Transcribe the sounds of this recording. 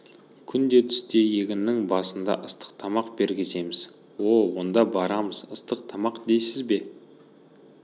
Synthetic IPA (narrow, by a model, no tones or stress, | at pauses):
kʲʰʏnd̪e̞t̪ʰʏ̥st̪e̞jeɡʲɪnːɪŋbɑsənd̪ɑ̰ʔəst̪ə̥q̚t̪ʰɑmɑqbe̞ɾɡʲɪse̞mɪz̥ | wo̞wo̞nd̪ɑbɑɾɑməzəst̪əq̚t̪ʰɑmɑqd̪e̞jsɪzbe̞